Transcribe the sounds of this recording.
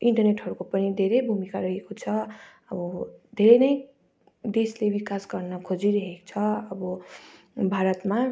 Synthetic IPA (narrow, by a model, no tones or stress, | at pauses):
iɳʈʌrneʈɦʌɾukopʌnid̪ʱeɾʌjbʱumikaɾʌɦekot͡sʰʌ | ʌbʌd̪ʱeɾʌjnʌj | d̪eslebikasɡʌrnʌkʰod͡ziɾʌɦekt͡sʰʌʌbʌ | bʱaɾʌt̪ma